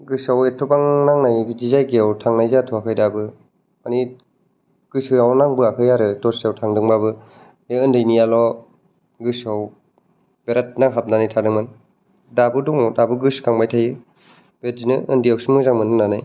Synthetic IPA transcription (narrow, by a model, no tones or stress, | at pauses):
ɡɯsawetʰubaŋnaŋnajbizizajɡeawtʰaŋnajzatʰuakʰɯjdabɯ | ani | ɡ̥ɯsɯjawnaŋbɯakʰɯjaɾɯtɔsiawtʰaŋdɯŋbabɯ | eɯndɯjnijalɔ | ɡɯsaw | b̥eɾat̚naŋɦap̚nanɯjtʰadɯŋman | dabɯduŋɔdabɯɡɯskaŋbajtʰajɯ | b̥etzinɯʔɯndijawsimɯzaŋmɯnɯnːanɯj